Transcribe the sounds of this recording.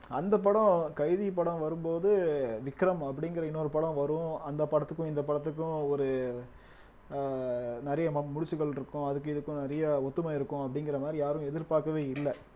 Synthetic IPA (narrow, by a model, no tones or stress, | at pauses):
ɐ̰nd̪ɐp̬ːɐɽɐ̃kɐɪðipɐɽɐ̃ʋɐɾɯmpoːðɯʋɪkːɾɐmɐp̬ːɐɽɪŋɡɪɾɐɪnːoːɾɯpɐɽɐ̃ʋɐɾʊ̃ɐnd̪ɐpɐɽɐt̪ːɯkːʊ̃ɪnd̪ɐpɐɽɐt̪̬ːɯk̬ːʊ̃ɔɾɯ | nɪɾɐjɐmʊɻɪt͡ʃːɯɣɐɭɪɾɯkːʊ̃ɐðɯk̬ːɯ̃ɪðɯkːʊ̃nɪɾɐjɐɔt̪ːɯmɐɪɾɯkːʊ̃ɐpːɐɽɪŋɡɪɾɐmaːd̪ɾijaːɾʊ̃ɛðɪɾpaːɾkɐʋeːɪlːɛ